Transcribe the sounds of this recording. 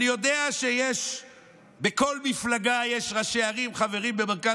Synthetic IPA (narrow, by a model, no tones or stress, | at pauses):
nijo̞d̪eaʃejeʃ | beko̞lmiflaɡajeʃʁaʃeaʁimχave̞ʁimbemeʁka